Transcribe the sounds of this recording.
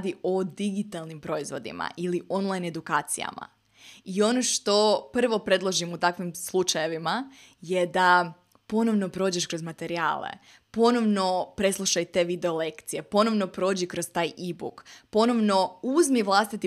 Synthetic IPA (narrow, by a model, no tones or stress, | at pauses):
d̪io̞d̪iɡit̪alˠnimpɾo̞izʋo̞d̪ḭma̰ʔiliʔo̞nlˠajne̞d̪ukaːt̪sija̰ma̰ | io̞no̞ʃt̪o̞pr̩ʋo̞pɾe̞d̪lˠoʒimut̪akʋimslˠut͡ʃaje̞ʋima | je̞d̪a | po̞no̞ʋno̞pɾo̞ːd͡ʑeʃkɾo̞zmat̪e̞ɾia̰ːlḛ | po̞no̞ʋno̞pɾe̞slˠuʃajt̪e̞ʋid̪e̞o̞le̞kt̪sije̞po̞no̞ʋno̞pɾo̞ːd͡ʑikɾost̪aːjʔibṵkpo̞no̞ʋno̞uzmiʋlˠast̪it̪i